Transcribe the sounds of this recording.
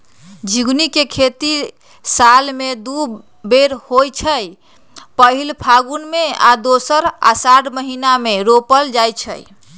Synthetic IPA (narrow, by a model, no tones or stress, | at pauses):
d͡ʒiɡnikekʰet̪i | salmed̪u | beɾhojt͡ʃʰəj | pəɦilpʰaɡunmea̰d̪osəɾa̰saɽməɦinameɾopəld͡ʒajt͡ʃʰə̰j